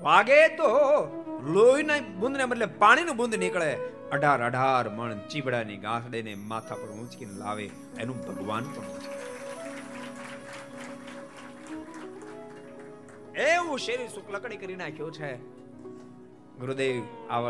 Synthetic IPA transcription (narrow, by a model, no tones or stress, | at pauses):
bʱaːɡet̪o | loinaĩbʊ̃nd̪ʱneməɾlepaːɽ̃inũbʊ̃nd̪ʱnɪkɭe | əɖʱaːɾəɖʱaːɾməɳt͡ʃibʱɽaniɡãːsɽenemaːt̪ʰapəɾũt͡ʃkinla̰ːʋe | enũbʱəɡʋaːnpəɳũt͡ʃki | eũʃeɾisʊkləkɽikəɾinaːkʰjõt͡ʃʰe | ɡʊɾud̪eːʋʋaː